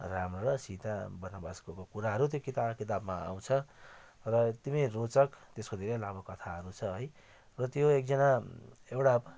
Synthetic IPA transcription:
ramrʌɾʌsit̪abʌnʌbaskokokuɾaɦʌɾut̪jokit̪akit̪abma̰a̰w̃t͡sʰʌ | rʌt̪imirot͡sʌkt̪eskod̪ʱeɾʌlabokʌt̪ʰaɦʌɾut͡sʰʌɦʌj | rʌt̪joek̚d͡zʌnaewɽab

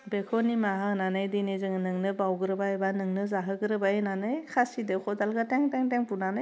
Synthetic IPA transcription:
bekʰɔnimaɦananajdinizɯŋnɯŋnɯbawɡɯɾɯbaebanɯŋnɯzaɦɯɡɯɾɯbaenanajkʰasidɯkʰɔdalɡataŋtaŋtaŋpunanaj

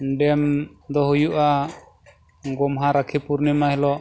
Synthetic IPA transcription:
ɖɛmd̪ɔɦujuʔa | ɡɔmɦaɾakʰipuɾnɛmaɦɛlɔʔ

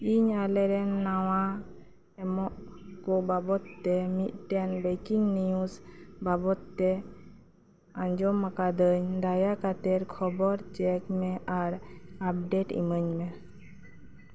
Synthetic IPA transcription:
iɲalɛɾɛnːawa | ɛmɔʔkɔbabɔt̪ːɛmit̪̚ˀʈɛnbɛkiŋɡnijusbabɔt̪ːɛ | ãɲd͡ʒɔmakad̪əɲd̪ajakat̪ɛɾkʰɔbɔɾt͡ʃɛkmɛʔaɾap̚ɖeʈḭməɲmɛ

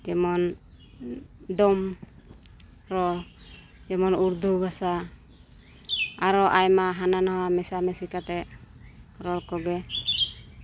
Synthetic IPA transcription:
d͡ʒɛmɔn | ɖɔm | ɾɔ | d͡ʒɛmɔnuɾd̪ubasa | aɾɔʔajmaɦananawamɛsamɛsikat̪ɛʔ | ɾɔlkɔɡɛ

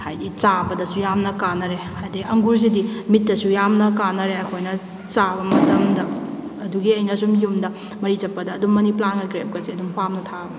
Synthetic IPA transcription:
hajɡit͡ʃabɐdɐsujamnɐkanːɐɾehajdiʔɐŋɡuɾz̬idimitːɐsujamnɐkanːɐɾeɐkʰojnɐ | t͡ʃabɐmɐtɐmdɐːduɡiɐjnɐsumjumdɐ | mɐɾid͡ʒɐpːɐdɐːdumːɐniplanɡɐɡɾep̚kɐziɐdumpʰamnɐtʰabɐ

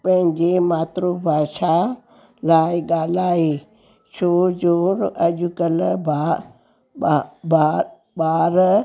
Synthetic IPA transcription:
pɐ̃ɦɪ̃ɲd͡ʑemaːt̪ɾobʱaːʃa | laːɪɠaːl̤aːeː | ʃoːd͡ʒoːɾɐʄʊkəlbʱ | ba | ɓaːɾ

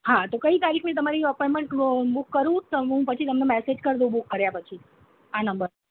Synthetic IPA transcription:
ɦat̪okəit̪aɾikʰet̪əmaɾiəpɔjmeɳʈbukːəɾũt̪oɦũpət͡ʃʰit̪əmnemɛsed͡ʒkəɾd̪ũbukːəɾjapət͡ʃʰi | anəmbəɾ

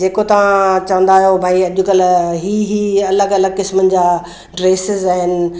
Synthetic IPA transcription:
eːkot̪ɐʋãt͡ɕɐʋə̃n̆d̪aːɦijobʱaːiɐʄʊkɐlɦiːɦiːɐləɡɐləɡ̚kɪsmənɪ̆d͡ʑaː | ɖɾeːsɪzaːɦɪnɪ̆

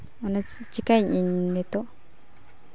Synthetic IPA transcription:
anã | t͡ʃikaiinẽt̪o

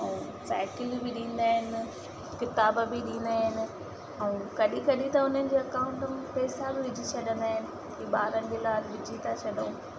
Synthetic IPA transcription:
ɛũː | sɛ̰ːkɪlbɪɗĩːnd̪aːɦɪnɪ | kɪt̪aːbbɪɗĩːn̆d̪aːɦɪnɪ̆ | ɛũkɐɗĩkɐɗĩt̪ɐʊn̤ənɪ̆d͡ʑeːɐkãːʊ̃ɳʈəmɪpɛːsabɪʋɪd͡ʑʱit͡ɕʰɐɗə̃nd̪aːɦɪnɪ̆ | iːɓaːɾənɪd͡ʑeːlaːlʋɪd͡ʑʱit̪ʰat͡ɕʰɐɗũː

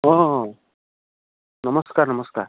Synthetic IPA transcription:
ɔɦ | nʌmʌskaɾnʌmʌska̰ɾ

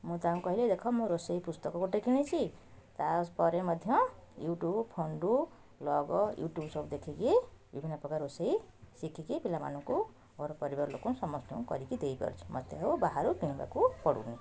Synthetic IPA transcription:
mut̪aũkʌɦiled̪ekʰɔmuɾosʌjpust̪ʌkkoʈekʰinet͡sʰit̪aspʌɾemʌd̪ʱjʌ̃juʈjubpʰonɖu | lɔɡɔjṵʈjubsopd̪ekʰikibḭbʱinːapɔkaɾosʌjsikʰikipʰilama̰nũko | ɡɔɾpʌɾibaɾlokũnsʌmʌsnũkʌ̰ɾikid̪ejpʌ̰ɾt͡sʰu̥mʌ̰d̪jeɦubaɦaɾukiniba̰kupɔɽṵne

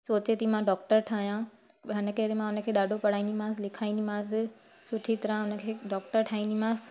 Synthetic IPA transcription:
soːt͡ɕet̪ɐimãɖɔːkʈəɾʈʰaːɦijã | ɦɪnə̆kəɾemãʊnə̆kʰeːɗaːɖʱopɐɽ̤aːĩnd̪imãːs̬lɪkʰaːĩnd̪imãːs̬ɪ | sʊʈʰit̪ɐɾə̃ʊnə̆kʰeːɖɔːk̚ʈəɾʈʰaːĩnd̪imãːs

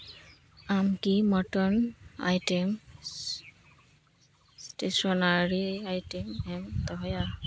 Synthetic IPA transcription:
amkimɔtɔna̰jtem | stesɔnaɹiajtemɛmt̪ɔɦja

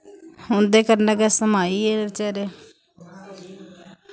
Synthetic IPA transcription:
hʊnd̪eːkəɾnəɡɛsəmaːiːɛːəɾt͡ʃɛːɾeː

